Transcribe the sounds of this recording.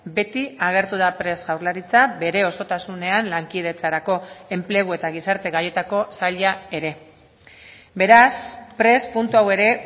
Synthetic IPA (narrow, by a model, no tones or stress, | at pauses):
be̞t̪iaɣ̞e̞ɾt̪uð̞apɾe̞sɣawɾlaɾit͡sabe̞ɾe̞o̞so̞t̪asune̞anlaŋkið̞e̞t͡saɾako̞e̞mple̞ɣ̞ue̞t̪aɣ̞isaɾt̪e̞ɣaje̞t̪ako̞saʎae̞ɾe̞ | be̞ɾaspɾe̞spunt̪uawe̞ɾe̞